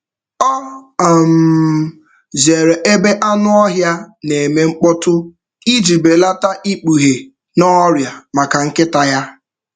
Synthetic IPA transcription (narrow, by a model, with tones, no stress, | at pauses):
ɔ˦a˨m̩˨ | ze˨ɾe˨ʔe˦be˦ʔa˦nʊ˦ɔ˦ɦja˦ne˨me˨ŋ͡m̩˦k͡pɔ˦tʊ˦ | i˦d͡ʒi˨be˨la˦ta˦ʔi˦k͡pu˨ɦe˨ | nɔ˦ɾja˨ma˨ka˨ŋ̩˦kɪ˦ta˨ja˦